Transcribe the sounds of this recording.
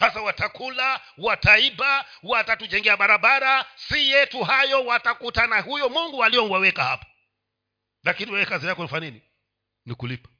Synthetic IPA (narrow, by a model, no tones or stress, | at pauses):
sas̬awatakʰula | wataiba | uwatatud͡ʒɛŋɡɛaɓaɾaɓaɾasijɛtuɦajɔwatakutanahujɔmuŋɡualiɔŋɡwawɛkahapɔ̥ | lakiniwɛwɛkazijakɔnifanini | nikulipḁ